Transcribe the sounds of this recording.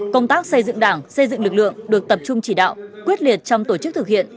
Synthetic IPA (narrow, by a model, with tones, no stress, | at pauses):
kə˧wŋ͡mt̪aː˦˥k̚sə˧jzɨ̰˧˨ŋɗaː˧˩ŋsə˧jzɨ̰˧˨ŋlɨ˨˩k̚lɨ̰˧˨əŋɗɨ˨˩ək̚t̪ə˨˩p̚t͡ɕʊ˧ŋ͡mt͡ɕi˧˩ɗa̰ː˧˨wkwi˦˥ət̚li˨˩ət̚t͡ɕɔ˧wŋ͡mt̪o˧˩t͡ɕɨ˦˥k̚t̪ʰɨ˨˩k̚hḭ˧˨ən